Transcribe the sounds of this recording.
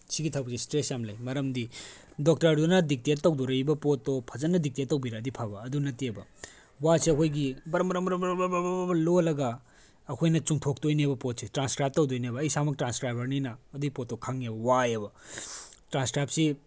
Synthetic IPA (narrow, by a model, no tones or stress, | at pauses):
siɡitʰawbɐsistɾesjamlɐjmɐɾɐmdi | dok̚tɐɾdunɐdik̚tietːɐwdoɾɐjbɐpotːopʰɐzɐnːɐdik̚tijetːɐwbiɾadipʰabɐːdunɐtiebɐ | waseɐkʰojɡibɐɾɐmbɾɐmbɐɾɐmbɾɐbbbbbɐlolɐɡɐː | kʰojnɐt͡ʃuŋtʰok̚tojnebɐpot̚setɾanskɾajp̚tɐwdojnebɐːjsamɐk̚tɾanskɾajbɐɾninɐːduɡipotːokʰaŋebɐwajebɐ | tɾanskɾajp̚si